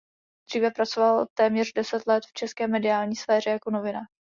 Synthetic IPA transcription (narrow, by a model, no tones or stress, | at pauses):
d̪̥r̝̥iːvɛpɾat͡sovalt̪ɛːmɲɛrdɛsɛt̪lɛt̪ft͡ʃɛskɛːmɛdɪaːlɲiːsfɛːr̝ɛjako̞no̞vɪna